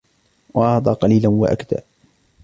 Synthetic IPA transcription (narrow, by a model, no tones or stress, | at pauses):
wʔɑhd̪ˤɑːqɑliːlanwa̰ʔa̰kd̪a̰ː